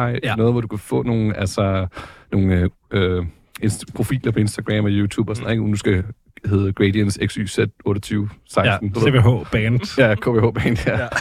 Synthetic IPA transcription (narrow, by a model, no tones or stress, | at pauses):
ɑ̈ɪnɔːð̞ˠʋɒd̥ukʰæfɔ̰̽ːno̝ːn̩ælsɐno̝ːn̩ | ø | enspʰʁo̝fḭːlɐpʰɒ̽e̝nsd̥æɡ̥ʁɛ̰mɒjuːt͡sʰṵːb̥ɒsɔneɡ̥nusɡ̥æ | he̝ð̩ˠɡ̥ʁediənseɡ̥sy̰ːsed̥ɔ̽ːɾ̥ət͡sʰyːʊsɑ̈ɪsd̥n̩d̥eeeeɦo̰b̥ɛnd̥jækʰo̰b̥eːho̰ːb̥ɛːnd̥ɐ̰